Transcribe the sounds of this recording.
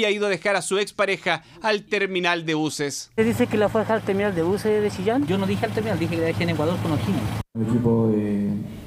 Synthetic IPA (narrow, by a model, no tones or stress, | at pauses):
aiðoaðexaɾasuekspaɾexaː | lt̪eɾminald̪eβuseseðisekelafweɾxalt̪eɾmĩnald̪eβuseðet͡ʃiʝand͡ʒonoðixealt̪eɾminald̪ixekelaðexianekwaðoɾkonoxiʎoelekipoe